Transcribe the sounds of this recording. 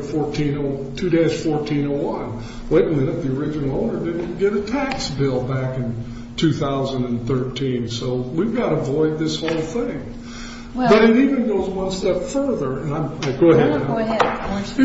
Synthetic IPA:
fɔɹtʰĩnoʊ | tʰʉɾeɪz̥fɔɹtʰĩñoʊwʌ̃n | weɪɾɪ̃ŋɨ̃ɾʌt̪̚ðiə˞ɪd͡ʒɨn̩l̩ˠoʊɾə˞dɪdⁿn̩ɡ̥ɛɾɨtʰæksbɪlˠbækɨ̃n | tʰʉθaʊzɨ̃ndɨ̃nθɜ˞tʰĩnsoʊwivɡɑɾəvɔɪd̪̚ðɪshoʊlˠθɪ̃ŋ | b̥ʌɾɨɾivɨ̃nɡoʊzwʌ̃nstɛpfɜ˞ðə˞ɨ̃nãɪ̃maɪɡ̥oʊɦɛdna

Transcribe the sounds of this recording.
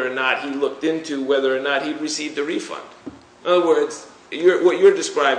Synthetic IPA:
ənət̚hilʊk̚tɪ̃ntʰʉwɛðə˞ːnət̚hiɹɨsivd̪ðɨɹifʌ̰̃nd̥ | ɪ̃nʌðə˞wɜ˞dz̥ | jə˞wʌt͡ʃə˞dɨskɹaɪb

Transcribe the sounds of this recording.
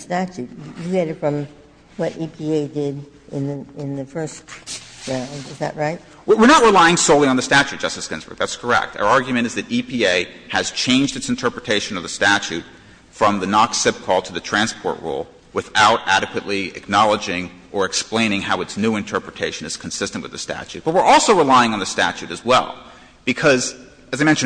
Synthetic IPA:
stæt͡ʃʉt̚ɨjɨɡɛɾɨtfɹʌ̃m | wʌɾipʰieɪdɪɾ | ɪ̃nðɨɪ̃nðɨfɜ˞stɹãʊ̃ndɨzðɨ̰ʔ̚ɹaɪt̚ | wwɪɹnət̚ɹəlaɪɪ̃ŋsoʊlˠiə̃nðɨstæt͡ʃʉt̚d̥ʒ̥ʌstɨskɪ̃nzb̥ə̰˞ɡ̚ðætskʰə˞ɛ̰k̚tʰa̰ʊ˞ɑɹɡjmɨ̃ɾ̃ɨzðɨɾipʰieɪ | ɨz̥t͡ʃʰẽɪ̃nd͡ʒdɨtsn̩tʰɜ˞pɹɨtʰeɪʃɨ̃nʌvðɨstæt͡ʃʉt̚ | fɹʌ̃mðɨnɑksɪp̚kʰɔlˠtʰɨðɨtʰɹ̥æ̃nspʰɔ̰ɹʔɹṵlˠ | wɨθaʊɾæɾɨkwɨʔˡliɨ̰k̚nɑlˠəd͡ʒɪ̃ŋ | ʔə˞ɨksplẽɪ̃ñɪ̃ŋhaʊɨtsnʉɨ̃ntʰɜ˞pɹɨtʰeɪʃɨ̃nɨz̥kʰn̩sɪstnʔwɨ̰ðɨstæ̰t͡ʃʉ̰t̚b̥ʌt̚wɨɹʔɔlˠsoʊɹəlaɪɪ̃ŋə̃nðɨstæ̰t͡ʃʉɾɨzwɛ̰lˠ | b̥ɨkʰʌz | ɨzaɪmɛ̃nʃ

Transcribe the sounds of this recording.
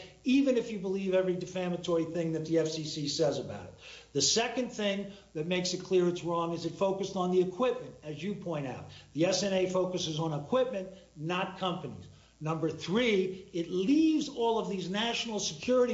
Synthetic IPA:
ivɨ̃nɨfjɨbəlivɛvɹidɨfæmɨtʰɔɹiθɪ̃ŋðɨt̪̚ðiɛfsisisɛzɨba̰ʊɾɨt̪̚ðɨsɛkɨ̃nθɪ̃ŋðɨt̚meɪksɨt̚kʰl̥ɪɹɨtsɹɔ̃ŋɨzɨtfoʊkɨstn̩ðiɨkʰw̥ɪp̚mɨ̃ntɨzjɨpʰɔ̃ɪ̃ɾ̃a̰ʊt̪̚ðiɛsɛ̃neɪfoʊkɨsɨzn̩əkʰw̥ɪp̚mɨ̃n | nət̚kʰʌ̃mpɨnḭz̥ | nʌ̃mbə˞θɹiɪtˡlivzɔlˠʌvðiznæʃnl̩ˠsɨkʰj̥ʊɹɨɾi

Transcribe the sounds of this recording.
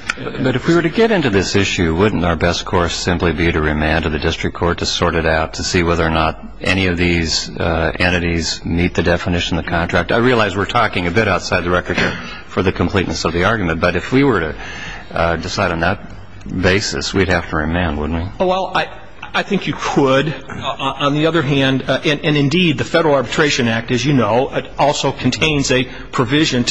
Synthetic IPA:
bʌɾɨfwiwə˞ɾɨɡɛɾɪ̃ntʉðɪsɪʃʉwʊdⁿn̩taʊə˞bɛs̚kʰɔɹsɪ̃mplibiɾɨɹɨmæ̃ntɨðɨdɪstɹ̥ɨkʰɔɹtʰɨsɔɹɾɨɾaʊtʰɨsiwɛðə˞nəɾ | ʔɛñiʌvðiz̥ɛ̃ɾ̃ɨɾizmit̪̚ðɨdɛfənɪʃɨ̃n̩ɨv̥kʰɑ̃ntʰɹ̥æk̚taɪɹiɨlˠaɪzwɨɹtʰɔkɪ̃ŋɨbɪɾaʊtsaɪd̪̚ðɨɹɛkə˞kʰɛɹ | fə˞ðɨkʰm̩pʰl̥iʔⁿnɨsʌvðiɑɹɡjmɨ̃nb̥ʌɾɨfwiwə˞ɾɨ | dɨsaɪɾn̩ðət̚ | beɪsɨ̰swid̚hæftəɹɨmæ̃nwʊ̰dⁿn̩twiwɛlˠaɪ | aɪθɪ̃ŋkjɨkʰəd | ə̃nðiʌðə˞ɦæ̃ndɨ̃nɨ̃nɨ̃ndid̪̚ðɨfɛɾə˞l̩ˠɑɹbɨtʰɹ̥eɪʃɨ̃næk̚tɨzjɨnoʊʔɪɾɔlˠsoʊkʰn̩tʰẽɪ̃nzɨ | pʰɹ̥ɨvɪʒɨ̃nʰ

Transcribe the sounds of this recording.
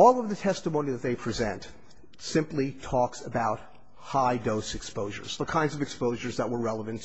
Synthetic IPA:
ɔlˠʌvðɨtʰɛstəmõʊ̃niðɨt̪̚ðeɪpʰɹ̥izɛ̰̃nt | sɪ̃mplitʰɔksəbaʊt̚ | haɪdoʊsɨkspoʊʒə̰˞z̥ðəkʰãɪ̃ndzʌvɨkspoʊʒə˞zðəʔ̚wə˞ɹɛlˠəvɨ̃nt

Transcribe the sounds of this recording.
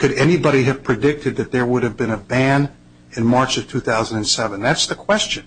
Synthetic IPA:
kʰɨɾɛnibɑɾiɨv̥pʰɹ̥ɨdɪk̚tʰɨd̪̚ðɨt̪̚ðə˞wʊɾɨvbɨ̃nɨbæ̃n | ɨ̃nmɑɹt͡ʃʌv̥tʰʉθaʊz̃n̩dɨ̃nsɛvə̃n̩ðætsðɨkʰw̥ɛst͡ʃɨ̃n

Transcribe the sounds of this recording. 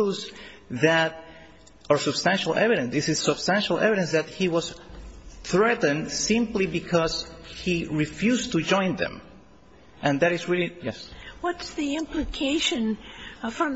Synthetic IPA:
uzðæt̚ | əɹsɨb̥st̪æ̃nʃalʔɛ̰viɾɨ̃nðisɨssɨb̥st̪æ̃nʃalˠʔɛ̰viɾɨ̃nsðæt̪̚hiwʌs | θɹɛtn̩dsĩmplibikʰʌzhiɹifjust̪ud͡ʒɔ̃j̃nðɨ̰̃m | ʔɨ̃nðæɾɨsɹilijɛswʌtsðiɪ̃mplɨkʰeɪʃɨ̃nfɹʌ̃

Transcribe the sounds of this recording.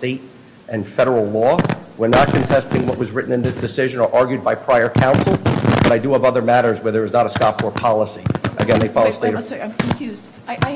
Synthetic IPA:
teɪɾ | ʔɨ̃nfɛɾə˞l̩ˠlɔwə˞nət̚kʰɨ̃ntʰɛstɪ̃ŋwʌʔ̚wʌzɹɪʔn̩ɨ̃nðɪsd̥ɨsɪʒɨ̃nə˞ʔɑɹɡjʉd̚baɪpʰɹ̥aɪə˞kʰãʊ̃nsl̩ˠb̥ʌɾaɪdɨʌbʌðə˞mæɾə˞zwɛ˞ðə˞ɨznəɾəskɑfə˞pʰɑlˠəsiʔɨ̰ɡɛ̃nðeɪfɑlˠoʊsteɪɾkʰɱfjʉz

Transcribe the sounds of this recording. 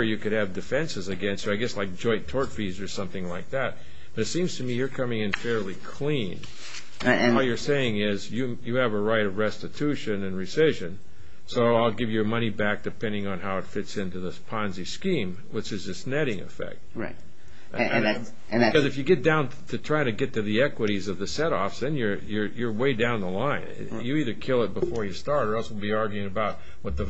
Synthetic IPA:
jɨkɨɾ̚ɨvdɨfɛ̃nsɨzɨɡɛ̃nstsoaɪɡɛslaɪk̚d̥ʒ̥ɔ̃ɪ̃ntʰɔɹtfizə˞sʌ̃mθɪ̃ŋlaɪk̚ðæt̚ | b̥ʌɾɨtsĩmz̥tʰɨmijə˞kʰʌmɪ̃ŋɨ̃nfɛɹlikʰl̥ĩñ | jə˞seɪɪ̃ŋɪzjɨ | jɨːvəɹaɪɾʌvɹɛstɨtʰʉʃɨ̃nɨ̃nɹisɪʒɨ̃n | soʊaɪlˠɡɪvjə˞mʌñibæk̚d̥ɨpʰɛ̃ndɪ̃ŋə̃nɦaʊɨtfɪtsɪ̃ntʉðɪspʰɑ̃nziskĩm | wət͡ʃɨzɨsnɛɾɪ̃ŋɨ̰fɛ̰k̚t̚ɹa̰ɪt | ɨ̃kʌzɨfjɨɡɛt̚d̥ãʊ̃n | tʰɨtʰɹ̥aɪɪ̃ŋtʰɨɡɛtʰɨðiɛkwəɾizʌvðɨsɛɾɔ̰fsðɨ̃njə˞jə˞jə˞weɪdãʊ̃nðəlãɪɨ̰̃n | jɨiðə˞kʰɪlˠət̚b̥əfɔɹjɨstɑɹɾə˞ɛlˠswəlˠbiɑɹɡjʉɪ̃ŋɨbaʊt̚ | wʌt̪̚ðɨ

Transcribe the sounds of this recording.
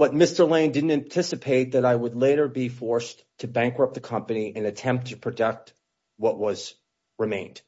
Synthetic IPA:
b̥ʌt̚mɪstə˞lẽɪ̃ndɪdⁿn̩tɨ̃ntʰɪsɨpʰeɪt̪̚ðɨɾaɪwədˡleɪɾə˞bifɔɹs | tʰɨbæ̃ŋkɹʌp̚ðɨkʰʌ̃mpɨniʔɨ̃nɨtʰɛ̃mp̚tʰɨpʰɹ̥ɨdɛk̚t̚ | wʌʔ̚wʌz̥ | ɹɨmẽɪ̃nd̥

